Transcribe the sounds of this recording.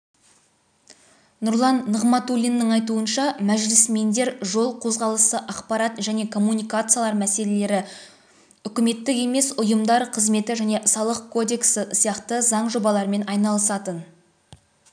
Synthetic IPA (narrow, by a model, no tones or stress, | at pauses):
nʊɾlˠɑnːəʁmɑt̪ulʲinːɪŋɑjt̪̬uənʃɑmæʒlɪsme̞nd̪e̞ɾʒo̞lˠqʰo̞zʁɑlˠəsəʔɑqpɑɾat̪ʒæne̞kʰo̞mːunijkat̪sɨjalˠɑɾmæse̞le̞le̞ɾɪ | ʏkʲɪme̞t̪ːɪke̞me̞sʊjəmd̪ɑɾqʰəzme̞t̪ɪʒæne̞sɑlˠəq̚kʰo̞d̪e̞ksəsijɑqt̪əzɑɴʒo̞bɑlˠɑɾme̞nɑjnɑlˠəsɑt̪ən